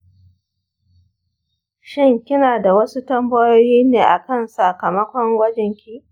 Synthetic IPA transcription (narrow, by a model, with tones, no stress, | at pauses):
ʃɪ˦ŋkʲɪ˦naː˨da˨wɐ˦su˦tɐ˦mbɐ˦joː˦jiː˦neː˨ʔa˨kɐ˦˨nsa˨kɐ˨mɐ˦kʷɔ˦ŋwɐ˦d͡ʒɛ˨ŋkʲi˦ʔ